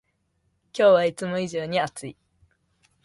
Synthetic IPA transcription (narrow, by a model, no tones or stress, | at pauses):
kʲo̞ːβait͡sɨmo̞iʑo̞ːɲ̟iat͡sɨi